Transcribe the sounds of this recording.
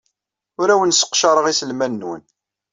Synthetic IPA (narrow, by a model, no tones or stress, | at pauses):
ʊɾæwənsə̥qːʃɑɾˤəʁisəlmænːwə̰n